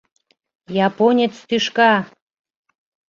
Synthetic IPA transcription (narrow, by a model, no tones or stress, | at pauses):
jɑponʲet͡st̪yʃkɑ